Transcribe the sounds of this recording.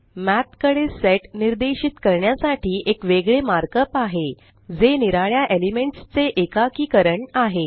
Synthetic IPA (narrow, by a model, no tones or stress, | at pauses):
mæt̪kəɽeseʈniɾd̪eɕit̪kəɾɳjasaʈʰiːʔekʋeɡɭemaɾkəpaɦe | d͡zeniɾaɭjaʔelimeɳʈst͡seʔekakiːkəɾəɳaɦe